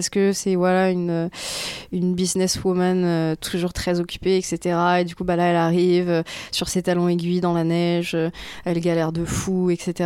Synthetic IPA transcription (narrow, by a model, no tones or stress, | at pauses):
skəsɛvwalaynø | ynbiznɛswumanøt̪ʰuʒuʁt̪χɛzɔkʲy̥peɛkset̪eʁaed̪ykubalaɛlaʁivøsyʁset̪alɔ̃eɡʲɥid̪ɑ̃lanɛʒøɛlɡʲalɛʁd̪əfuɛkset̪eʁa